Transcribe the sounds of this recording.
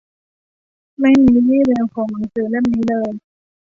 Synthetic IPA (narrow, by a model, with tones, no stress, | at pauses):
ma˥˩jmiː˧jiː˥˩˨ɾɛː˧wkʰɔː˩˦ŋma˨˦sɯː˧˩˨le˥˩˨mniː˦˥lɤː˧j